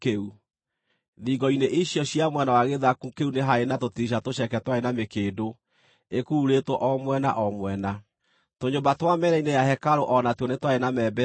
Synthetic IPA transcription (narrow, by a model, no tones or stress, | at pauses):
keu | ðiɡɔineʔiɕjɔɕiamwɛnawaɣeðakukeuneɦaenatotiɕ̬atoɕɛkɛtwaenamekeːdo | ekuːɾetwɔʔɔmwɛna̰ʔɔmwɛna | toɲobatwamɛɾɛinejahɛkaɾoʔɔnatɔnetwaenamɛbɛ